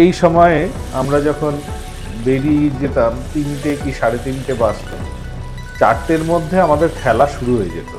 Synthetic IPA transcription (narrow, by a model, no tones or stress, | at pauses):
ejʃɔmɔeamɾad͡ʑɔkʰon | beɽieid͡ʑet̪amt̪inʈekiʃaɽet̪inʈebast̪o̰ | t͡ɕa̰ʈʈeɾmod̪ʱːeamad̪eɾkʰɛlaʃuɾuɦoed͡ʑḛt̪o